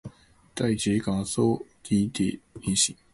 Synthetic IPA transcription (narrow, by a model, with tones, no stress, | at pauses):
t̪a˥˩ɪt͡ɕe˨˥ka˨˩t͡so˥˩t̪i˧˦t̪ɛ̰˨˩i˥˩ɕi˨˦ŋ